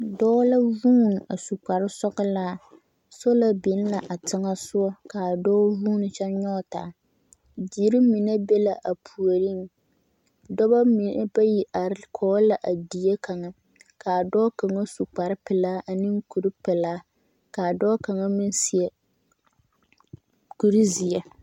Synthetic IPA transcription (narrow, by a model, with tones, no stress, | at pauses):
dɔː˦la˦vuː˦n˨a˨su˨k͡pa˨ɾɪ˦sɔ˦ɣɨ˦laː˦ | so˦la˦bi˨˦n˦la˨ʔa˨tɪ˦ŋa˦sʊ˦ɔ˦ka˨dɔː˦vuː˦nɨ˨t͡ʃɛ˦ɲɔ˦taː˨ | di˨˦ɾɪ˦mi˨na˦be˦la˨ʔa˨pʰu˨o˨ɾi˦ŋ˨ | dɔ˦ba˦m˨˦ba˦ji˨ʔa˨kʰɔː˨˦la˨ʔa˨di˨je˦ka˨ŋa˦ | ka˨dɔː˦ka˨ŋa˦su˨k͡pa˨ɾɪ˦pɪ˨laː˦ʔa˨nɨ˦ŋku˨ɾi˦pɛ˨laː˦ | ka˨dɔː˦ka˨ŋa˦mɪ˦n˦si˨ɛ˦ | ku˨ɾi˦zi˨ja˦